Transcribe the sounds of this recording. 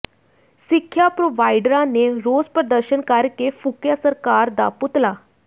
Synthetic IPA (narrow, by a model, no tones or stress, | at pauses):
sikʰjapɾoʋajɖɾãneɾod͡zpɾəd̪əɾɕənkaɾkefukjasəɾkaɾd̪a̰put̪la